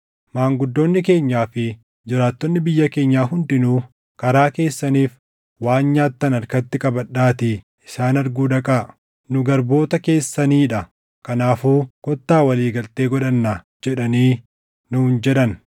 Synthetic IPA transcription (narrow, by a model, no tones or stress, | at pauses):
maːŋɡʊd̪ːo̞ːnːɪke̞ːɲːaːfɪ | d͡ʒɪɾaːt̪ːɔnːɪbɪjːɐke̞ːɲːaːɦʊnd̪ɪnuː | kɐɾaːke̞ːsːɐniːf | waːnɲaːt̪ːɐnɐɾkɐt̪ːɪkʼɐbɐɗːaːt̪ɪ | ɪsaːnɐɾɡuːd̪ɐkʼaː | nʊɡɐɾbo̞ːt̪ɐke̞ːsːɐniːᶑɐ | kɐnaːfuːkɔt̪ːaːwɐliːɡɐlt̪e̞ːɡɔᶑɐnːa | d͡ʒɛᶑɐniː | nʊnd͡ʒɛᶑɐn